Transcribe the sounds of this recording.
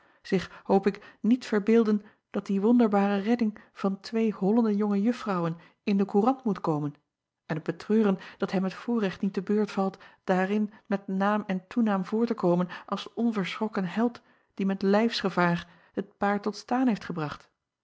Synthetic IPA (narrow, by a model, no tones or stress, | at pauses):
z̥ɪχhowpɪknitfəɹbɪːlˠdən | d̥ɑt̚diʋɔndəɹbaːrərɛdɪŋv̥ɑntʋejɦɔləndəjɔŋəjɵffrɑwən | ɪndəkurɑntmutkowmən | ɛnəb̥ətrøːrənd̥ɑtɦɛmətfʊːɹrɛχtnitəbøːɹtfɑlˠtd̥aːrɪnmɛtnaːmɛntunaːmvʊːɹtəkowmənɑlˠsɔnvəɹsχɔkənɦɛlˠt | d̥imɛtlɛjfsχəvaːɹ | hət̚paːɹtɔtstaːnɦejftχəbrɑχt